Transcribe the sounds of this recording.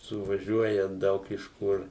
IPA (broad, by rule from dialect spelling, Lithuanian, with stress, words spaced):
sʊʋɐˈʒʲuɔjɛ ˈdɐʊk ɪʃ ˈkʊr